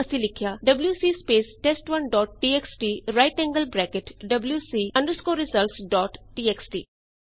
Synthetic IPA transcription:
ɐsilɪkʰjaːɖɐbljuːsiːspeːsʈesʈʋɐnɖɔːʈ̚ʈiːeksʈiːɾaɪʈɛ̃ŋɡəlbɾɛːkeʈɖɐbljusiːɐ̃ɳɖəɾskoːɾɪsəlsɖɔːʈʈiːeksʈḭː

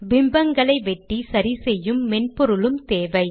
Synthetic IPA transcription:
ʋɪmbɐŋɡɐɭɐɪʋɛʈːisɐɾisɛjːɯmːɛnpɔɾɯɭɯmt̪eːʋɐɪ

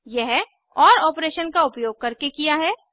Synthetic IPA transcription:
jɛɦ | ɔːɾɔːpɾeːʃənkaʊpjoːɡ̚kɐɾkekijaɦɛː

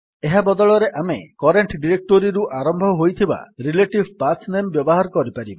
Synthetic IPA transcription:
eɦabɔd̪ɔɭɔɾeʔamekɔɾeɳʈɖiɾek̚ʈoɾiɾuʔaɾɔmbʱɔɦojt̪ʰiba̰ɾileʈibʱpasnembjɔbɔɦaɾɔkɔɾipaɾibɔ

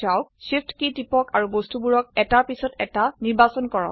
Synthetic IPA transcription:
awsipʰtkitipɔkaɹubostubuɹɔk̚ɛtaɹpisɔtɛtaniɹbasɔnkɔɹɔ̰

